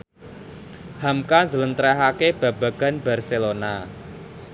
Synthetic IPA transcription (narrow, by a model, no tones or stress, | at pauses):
hamkanzələnt̪ɾɛɦakeb̥a̤ba̤ɡ̥a̤nba̤rselona